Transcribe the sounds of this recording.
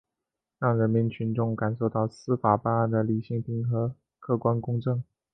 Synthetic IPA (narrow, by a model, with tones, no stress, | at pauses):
ɻɑ˥˩ŋɻə˧˥nmi˧˥nt͡ɕʰy˧˥nʈ͡ʂʊ˥˩ŋka˨˩nʂo˥˧ʊt̪ɑ˥˩ʊsɹ̩˥fa˨˩pa˥˧na˥˩nd̪ə˩li˨˩ɕi˥ŋpʰi˧˥ŋxɤ˧˥ | kʰɤ˥˩kwa˥nkʊ˥ŋʈ͡ʂɤ˥˩ŋ